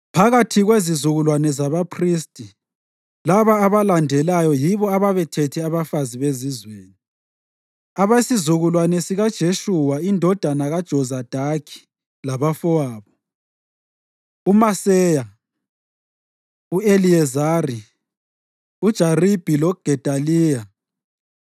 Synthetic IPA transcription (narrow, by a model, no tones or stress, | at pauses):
pʰaɣatʰiɣwezizuɣulwanɛzaβapʰristʼi | laβaːβalandʱɛlajɔjiβɔaβaβɛtʰɛtʰɛaβafaziβezizweːni | aβasizuɣulwanɛsiɣad̥ʒ̥ʱeʃuwaindʱɔd̥ʱanaɣad̥ʒ̥ʱɔzad̥ʱakʰi̥ | laβafɔaːβɔ | umasɛja | ueliɛzari | ud̥ʒ̥ʱarib̥ʱilɔɡ̥ʱɛd̥ʱaliːja